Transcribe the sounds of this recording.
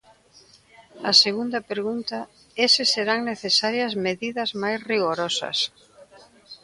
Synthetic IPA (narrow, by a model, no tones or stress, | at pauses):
ɐseɣund̪ɐpeɾɣunt̪ɐ | esɪseɾaŋneθesaɾjɐzmeðiðɐzmajsriɣoɾɔsɐ̰s